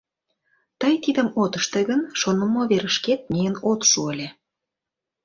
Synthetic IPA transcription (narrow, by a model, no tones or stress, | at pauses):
t̪əjt̪id̪ə̆mot̪ə̆ʃt̪eɣənʃonəmoβeɾə̆ʃket̪̚mʲijənot̪ʃuəlʲe